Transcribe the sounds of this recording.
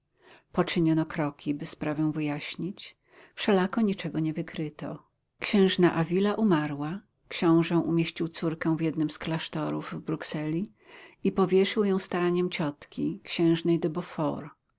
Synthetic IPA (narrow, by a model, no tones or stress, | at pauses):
pɔt͡ʂɘɲɔnɔkɾɔkʲibɘspɾavɛ̃w̃vɘjaɕɲit͡ɕ | fʂɛlakɔɲit͡ʂɛɡɔɲɛvɘkɾɘt̪ɔ̰ | kɕɛ̃w̃ʐnaʔavʲilaʔumaɾwa | kɕɔ̃w̃ʐɛ̃ʔumʲjeɕt͡ɕiwt̪suɾkɛ̃w̃vjɛd̪nɘmsklaʂt̪ɔɾuvvbɾuksɛlʲi | ipɔvʲjɛʂɘwjɔ̃w̃st̪aɾaɲɛmt͡ɕɔt̪kʲikɕɛ̃w̃ʐnɛjd̪ɔbɔfɔ̰ɾ